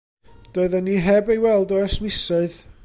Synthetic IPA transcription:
d̥oːɨðənːiɦɛbejwɛlˠdɔɛsmɪsɔɨð

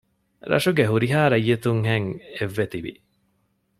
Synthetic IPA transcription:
ɾɐ̰ʂuɡeɦuɾiɦaːɾɐjːet̪uŋɦeŋeʋːet̪iʋḭ

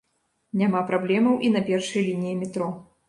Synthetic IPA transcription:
nʲamapɾablʲɛmɐwʔinɐpʲɛrʂɐjlʲinʲijimʲɛt̪ɾɔ

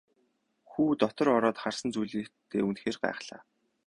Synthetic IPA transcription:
xuːt̪ɔt̪ɞ̆ɾɔɾɔːt̪χarsə̆nt͡sujɮiːkt̪ʰːḛːunxeːrɢa̰æ̰ːχɮa̰ː

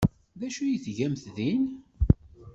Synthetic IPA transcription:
ðæʃujiθʝæmθðin

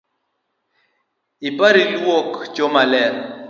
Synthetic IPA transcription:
ipaɾilwokt͡ʃomalɛɾ

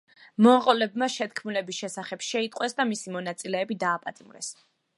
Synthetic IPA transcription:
mɔqʼɔlɛbmaʃɛt̪kʰmulɛbisʃɛsaχɛb̥ʃɛit̪ʼqʼwɛsd̪amisimɔnat̪sʼilɛːbid̪aːpʼat̪ʼimɾɛ̰s

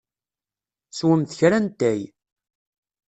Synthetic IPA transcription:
swəmθçɾænt̪æj

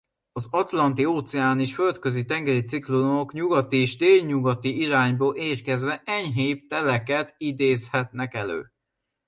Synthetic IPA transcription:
ɒzɒt̪lɒnt̪ioːt̪sɛaːneːʃfø̞lt̪kø̞zit̪ɛŋɡɛɾit̪siklookɲuɡɒt̪ieʒd̪eːlɲuɡɒt̪iiɾaːɲboːlʔeːrkɛzʋɛʔɛɲɦeːp̚t̪ɛlɛkɛt̪id̪eːshɛt̪nɛkɛlø̰ː

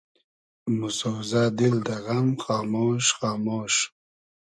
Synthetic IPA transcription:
mʊsowzɑːd̪ild̪ɐɣamxɑːmoːʃχɑːmoːʃ

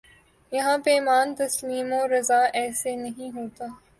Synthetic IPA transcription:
jɐɦãpeːmaːnt̪ɐsliːmoɾɐzaːʔɛːsenɐɦĩɦoːt̪aː

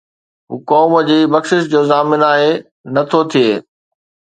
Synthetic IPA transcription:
ɦuːkɔːməd͡ʑiːbɐkʃɪʃd͡ʑoːzaːmɪnaːɦe | nɐt̪ʰot̪ʰieː

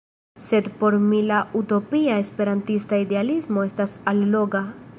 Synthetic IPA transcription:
se̞dpo̞ɾmilauto̞piae̞spe̞ɾantistaide̞alismo̞e̞stasalːo̞ɡa

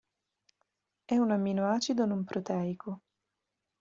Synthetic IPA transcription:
ɛunamːinoaːt͡ʃid̪onumpɾot̪ɛːiko

